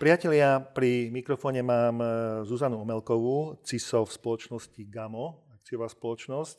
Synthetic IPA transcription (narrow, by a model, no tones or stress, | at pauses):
pɾɪacɛlɪapɾimikɾɔfɔːɲɛmaːmzuzanuɔmɛlkɔʋut͡sisɔfspɔlɔt͡ʃnɔsciɡamɔak̚t͡sijɔʋaːspɔlɔt͡ʃnɔsc